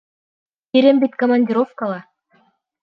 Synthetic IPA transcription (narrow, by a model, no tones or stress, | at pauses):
piɾɘmbit̪ʲkɐmɐnʲdʲɪɾofkalˠa